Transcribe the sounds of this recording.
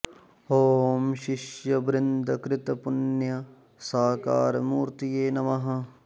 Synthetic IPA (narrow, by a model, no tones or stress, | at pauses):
oːmʃɪʃjɐbɾɪnd̪ɐkɾɪt̪ɐpʊnjɐ | saːka̰ːɾmuːɾt̪ijeːnɐmɐɦɐ